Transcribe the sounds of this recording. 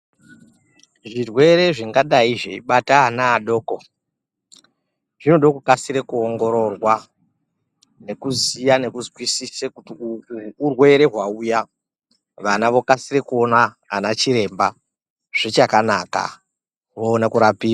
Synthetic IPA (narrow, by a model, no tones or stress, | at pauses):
ʐirwe̞ɾe̞ʐiŋɡaɗaiʐe̞̰iɓataːnaːɗo̞ːko | ʐ̥ino̞ɗo̞kokasiɾe̞kuoŋɡo̞ɾo̞rwa | ne̞kuzijane̞kuzwisisekutiː | rwe̞ɾe̞ɦwauja | ʋanaʋo̞kasire̞kuo̞na | anat͡ʃiɾe̞mba | ʐ̥et͡ʃakanaka̰ | ʋoːnakuɾapiːa